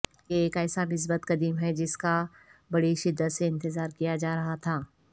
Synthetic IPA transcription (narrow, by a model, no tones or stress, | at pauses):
keeːkɛːsanɪs̬bət̪qɐd̪iːmɦɛd͡ʒɪska | bɐɽiʃɪd̪ːət̪seɪ̃nt̪ɪzaːɾkijad͡ʒaːɾɐɦat̪ʰaː